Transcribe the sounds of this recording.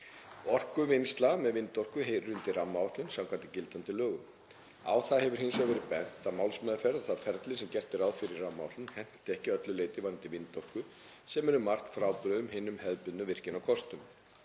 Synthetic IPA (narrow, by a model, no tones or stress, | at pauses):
ɔr̥kʏvɪnst̪lamɛðvɪnt̪ɔr̥kʏɦejɾʏnt̪ɪramːaɔht̪ʏnsamkʰvant̪ɪcɪlt̪ant̪ɪlœːɣʏm | a̰ːwθahɛvʏɾ̥hɪnsɔɣʏɾɪpɛn̥t̪amawlsmɛðafɛɾðθafɛɾt̪lɪsɛmcɛr̥t̪ɪɾaːwfɪɾɪrramːaɔht̪lʏnhɛn̥t̪ɪɛhcɪœt̪lʏleːjt̪ɪvaɾʏnt̪ɪvɪnːt̪ɔr̥kʏ | sɛmɛɾʏmar̥k̪fɾaːwpɾœðʏmhɪːnʏmhɛðpʏðnʏvɪr̥cɪnawkʰɔst̪ʏm